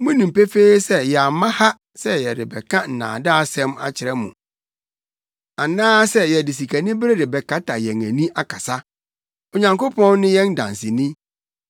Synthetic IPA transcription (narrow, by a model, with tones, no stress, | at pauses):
mũ˦nĩ˨m̩˨pe˦fe˦i˦sɛ˦jɛ˨a˨mã˦ha˦ | sɛ˦jɛ˨dɪ˨bɛ˨kʰã˦n̩˨nã̰ː˨daː˦a˦˨sɛ̃˦ma̰˨t͡ɕʰɪ˨ɾɛ˦mũ˨ | a˨nãː˦sɛ˦jɛ˨dɪ˨s̬i˨kʰa˨nɪ̃˦bɾe˦dɪ˨bɛ˨kʰa˦tʰa˨jɛ˨ŋæ̰̃˨nĩ˦ʔa˦˨kʰa˨sa˦ | o˨ɲã˨ŋko˦pʰɔ̃˦nː˦ɪ̃˦jɛ̃˦n˦dã̰˨n˨sɪ˨nĩ˦